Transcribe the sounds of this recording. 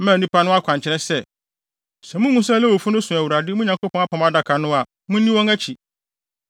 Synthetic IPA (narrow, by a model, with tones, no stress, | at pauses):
mã˨nĩ˦pʰa˦nʊ̃˦a˦kʰʷã˨ɲt͡ɕʰɪ˦ɾɛ˦sɛ˦ | sɛ˨mũ˦ŋũ˦s̬ɛ˦lɛ˦wo˨fu˦nʊ̃˦sʊ̃˨æ˨wu˨ɾa˨dɪ˦mũ˦ɲã˨ko˦pʰɔ̃˦a˦pʰɔ̃˨ma˦da˨kʰa˨nʊ̃˦a˨ | mʊ̃˦nĩ˦wɔ̃˦ŋæ˦t͡ɕʰi˨